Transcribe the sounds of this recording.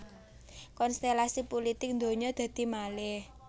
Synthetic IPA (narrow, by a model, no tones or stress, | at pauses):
kɔnst̪elasipulit̪ɪk̚nd̪o̤ɲɔd̪̥a̤d̪̥i̤malɪh